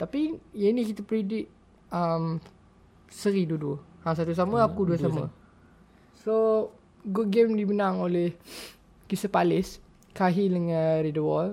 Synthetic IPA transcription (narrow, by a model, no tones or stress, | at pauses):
t̪apijainĩkit̪apəɾidɪʔ | əm | səɾiduduəhaŋs̬at̪us̬aməakuduədsamə̰ | so | ɡut̚ɡemdibənãŋolɛh | kisəpalɪs | kaɦiləŋənɾidəwɔl